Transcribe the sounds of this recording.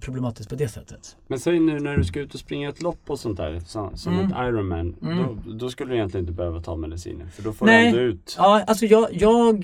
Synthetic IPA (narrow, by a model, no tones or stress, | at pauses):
pʰɾʊblɛmɑːt̪ɪsk̚pʰɔd̪ɛsɛ̰t̪ʰːə̥t̪mɛnsɛnːʉ̟ːnæɖɵskaʉ̟ːt̪ɔspɾɪŋːaɛt̪ʰlɔpːɔsɔnt̪̚ʰdæ̰ːɾsɔmsɔmɛt̪ʰajɾɔnmæ̰nd̪ɔd̪ɔskɵlːd̪ɪjɛnt̪lɪənɪt̪bɛhøːvat̪ʰɑ̰ːmɛd̪ɪsḭːnə̰ɾfœɖɔfɔnd̪ʉ̟ːt̪ɑːalsɔjɑːjɑːɡ